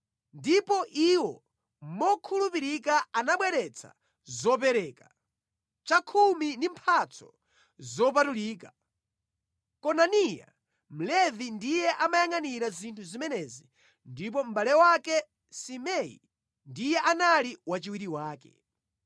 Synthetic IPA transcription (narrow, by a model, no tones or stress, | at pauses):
ndipɔʔiwɔ | mɔkʰulupiɾikaanaɓwɛɾɛt͡sʰa̰ | zɔp̬ɛɾɛːka | t͡ʃakʰumindimpʰat͡sʰɔ̥̰ | zɔp̬atuliːka | kɔnanija̰ | m̩lɛvindijɛʔamajaŋaniɾazintʰuzimɛnɛzi | ndip̬ɔm̩ɓalɛwakɛ | simɛḭ | ndijɛʔanaliwat͡ʃiwiɾiwaːkɛ̰